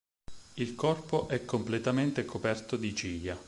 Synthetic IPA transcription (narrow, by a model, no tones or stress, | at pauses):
ilkɔrpoʔɛkːomplet̪ament̪ekopɛrt̪od̪it͡ʃiʎa